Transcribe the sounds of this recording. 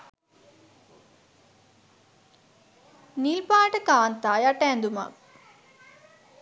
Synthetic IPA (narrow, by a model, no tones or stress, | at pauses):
nilpaːʈəkaːnt̪aːjaʈəɛnd̪uma̰k̚